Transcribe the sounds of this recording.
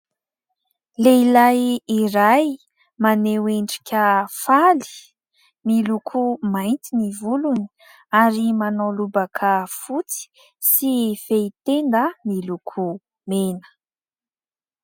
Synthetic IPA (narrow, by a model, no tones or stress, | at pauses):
leilajiɾaj | maneweɳɖ͡ʐi̥kʲʰəfali̥ | milukʰumajnt̪inivuluni̥ | aɾimanolubakʰəfut͡si̥ | sifeit̪end̪əmilukʰu | menə̥